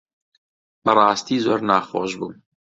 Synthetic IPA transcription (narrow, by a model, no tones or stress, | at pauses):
bɐrˤɑːst̪iːzoːɾnɑːxoːʒbuːm